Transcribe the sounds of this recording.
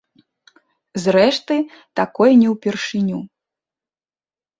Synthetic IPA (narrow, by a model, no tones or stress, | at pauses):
zɾɛʂt̪ɨ | t̪akɔjɛnʲɛwpʲɛrʂɨnʲu